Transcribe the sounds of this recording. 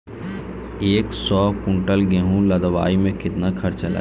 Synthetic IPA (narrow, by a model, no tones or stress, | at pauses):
eːksɔːkʊ̃ɳʈəlɡeɦũləd̪əʋa̰ːimẽkɪt̪nakʰɐɾt͡ʃɐla̰ː